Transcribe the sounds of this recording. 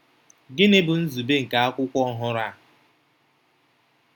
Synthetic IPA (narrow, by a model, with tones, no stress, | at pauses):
ɡɪ˦ne˦bʊ˨n̩˦zu˨be˦ŋ̩˨ka˨a˦kʷʊ˦kʷɔ˦ɔ˦ɦʊ˦ɾa˦˨